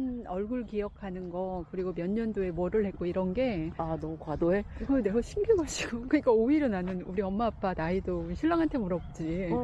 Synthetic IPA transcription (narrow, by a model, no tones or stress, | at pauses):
nʌɭɡuɭkijʌkʰanɯnɡʌkɯɾiɡomjʌnːʌndoe̞mwʌɾɯɭhe̞k̚k͈oiɾʌnɡe̞anʌkadoeɡʌne̞ɡaɕʰiŋɡɯɡaɕʰiɡokɯɲik͈aoiɾɯnanɯnuɾiʌmːaːp͈ʰanaidoɕʰiɭːaŋɦantʰe̞muɾʌp̚t͡ɕ͈i